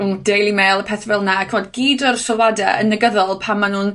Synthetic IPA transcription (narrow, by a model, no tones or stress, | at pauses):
undejlˠimeːlˠəpʰɛθvɛlˠnakʰəmɔdɡiːdɔrsɔlˠwadɛ̰ənəɡəðɔlˠpʰamːanuːn